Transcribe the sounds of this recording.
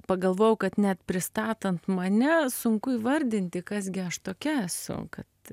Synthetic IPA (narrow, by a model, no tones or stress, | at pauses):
pɐɡɐlˠʋoːjʊkɐt̪nʲɛt̪pʲɾʲɪst̪ɑːt̪ɐnt̪mɐnʲɛsʊŋkʊiːʋɐɾʲd̪ʲɪnʲt̪ʲɪkɐs̬ɡʲɪɐʃt̪oːkʲɛæsʊ̰kɐt̪